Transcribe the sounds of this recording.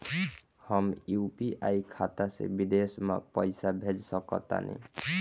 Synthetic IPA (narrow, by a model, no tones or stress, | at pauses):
hɔmjupiʔʔajkʰat̪asḛbid̪esma̰pɔjsabʱed͡ʒsɔkɔt̪a̰nḭ